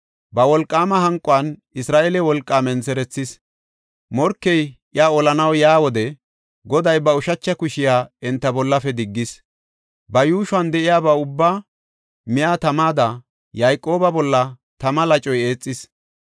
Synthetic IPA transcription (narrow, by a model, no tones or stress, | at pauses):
bɐwɔlkʼːaːmɐɦɐŋkʼʊɐn | ɪsɾaːʔelɛwɔlkʼːaːmɛnsɛɾɛt͡sːɪs | mɔɾkːɛj | ɪaːɔlɐnɐwjaːwɔd̪ɛ | ɡɔd̪ɐjbɐʊʃɐt͡ʃːɐkʊʃɪjaːɛnt̪ːɐbɔlːɐfɛd̪ɪɡːɪs | bɐjuːʃʊɐnd̪ɛʔɪjaːbaːʊbːaː | mɪjaːt̪ɐmaːd̪ɐ | jajkʼːo̞ːbɐbɔlːɐ | t̪ɐmɐlɐt͡ʃʼɔjeːt͡sʼːɪs